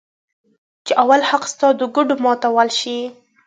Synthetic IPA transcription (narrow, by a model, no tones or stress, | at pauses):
t͡ʃeʔawalhaqst̪ɑd̪əɡʊɖomɑt̪awalʃi